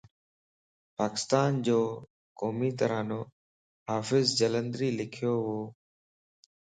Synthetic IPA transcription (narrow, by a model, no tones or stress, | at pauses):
paːkɪ̥st̪aːnd͡ʑoː | koːmiːt̪əɾaːnoː | ɦaːfɪzd͡ʒələ̃nd̪ɾiːlɪkʰɪjoːɦoː